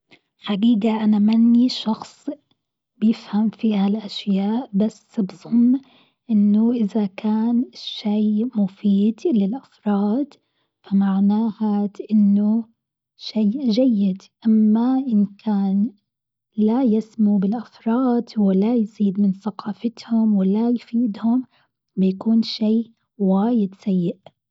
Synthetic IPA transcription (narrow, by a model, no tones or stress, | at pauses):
ħaɡiːɡaʔanamanːiʃɑxsˤ | b̥jɪfhamfihalʔaʃjaːʔbasːbzˤʊmː | ʔɪnːʊʔɪðakʰaːnɪʃːeːmʊfiːd̪lɪlʔafɾˤɑːd̪ | famaʕnaːhat̪ʔɪnːʊ | ʃaːʔʒajːɪd̪ʔamːaʔɪnkʰaːn | lajɪsmubɪlʔafɾˤɑːd̪wɪlajziːd̪mɪnθaqɑːfɪt̪hʊmwɪlajfiːd̪hʊm | bɪjakuːnʃiː | waːjɪd̪sajːɪʔ